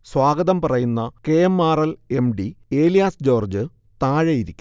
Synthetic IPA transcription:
swaːɡɐðɐmpɐrɐjunːɐke̞jemːaːrɐle̞mɖie̞ːlijaːsd͡ʑo̞ːrd͡ʑɨ | t̪aːɻɐjiɾikʲː

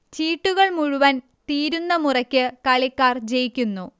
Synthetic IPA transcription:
t͡ɕiːʈːuɣɐɭmuɻuʋɐn | t̪iːɾunːɐmurɐkʲːɨkɐɭikːaːrd͡ʑejikʲːunːu

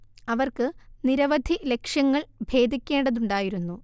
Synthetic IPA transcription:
ɐʋɐrkɨniɾɐʋɐd̪ʱile̞kʂjɐŋːɐɭbʱe̞ːd̪ʱikʲːe̞ːɳɖɐðuɳɖaːjiɾunːu

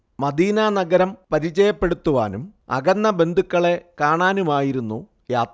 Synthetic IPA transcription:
mɐd̪iːnaːnɐɡɐɾɐmpɐɾit͡ɕɐjɐpːe̞ɽut̪ːuʋa̰ːnṵmɐ̰ɡɐnːɐbe̞nd̪ʱukːɐɭe̞kaːɳaːnumaːjiɾunːu | jaːt̪ɐ

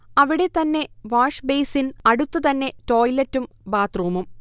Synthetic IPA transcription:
ɐʋiɽe̞t̪ɐnːe̞ʋaːʂbejsinɐɽut̪ːut̪ɐnːe̞to̞ːjlɐtːum | baːt̪ruːmum

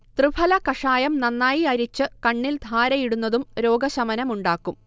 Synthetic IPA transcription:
t̪rɨbʱɐlɐkɐʂaːjɐmnɐnːaːjiɐɾit͡ɕːɨkɐɳːild̪ʱaːɾɐjiɽunːɐðumɾo̞ːɡɐɕɐmɐnɐmuɳɖaːkːum

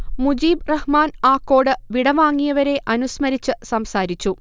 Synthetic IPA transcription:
mud͡ʑiːbrɐhmaːnaːkːo̞ːɽɨʋiɽɐʋaːŋːijɐʋɐɾe̞ʔɐnusmɐɾit͡ɕːɨsɐmsaːɾit͡ɕːu

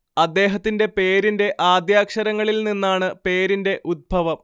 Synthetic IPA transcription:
ɐd̪ːe̞ːɦɐt̪ːinde̞pe̞ːɾinde̞ʔaːd̪jaːkʂɐɾɐŋːɐɭilninːaːɳɨpe̞ːɾinde̞ʔud̪̚bʱɐʋɐm

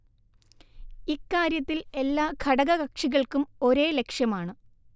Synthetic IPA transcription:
ikːaːɾjɐt̪ːile̞lːaːkʰɐɽɐɣɐɣɐkʂiɣɐɭkumo̞ɾe̞ːle̞kʂjɐmaːɳɨ

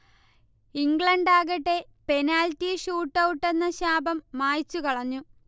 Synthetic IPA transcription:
iŋɡɭɐɳɖaːɣɐʈːe̞ | pe̞naːltːiɕuːʈːɐwʈːe̞nːɐɕaːbɐmːaːjt͡ɕːukɐɭɐɲːu

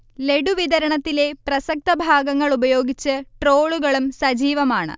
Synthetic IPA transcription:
le̞ɖuʋid̪ɐɾɐɳɐt̪ːile̞prɐsɐk̚t̪ɐbʱaːɡɐŋːɐɭubɐjo̞ːɡit͡ɕːɨʈro̞ːɭuɣɐɭumsɐd͡ʑiːʋɐmaːɳɨ̰

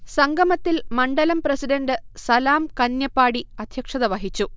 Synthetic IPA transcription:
sɐŋɡʱɐmɐt̪ːilmɐɳɖɐlɐmprɐsiɖɐnɖɨsɐlaːmkɐnjɐpːaːɽiɐd̪ʱjɐkʂɐðɐʋɐɦit͡ɕːu

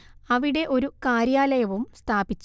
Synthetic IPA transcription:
ɐʋiɽe̞ʔo̞ɾukaːɾjaːlɐjɐʋumst̪ʰaːbit͡ɕː

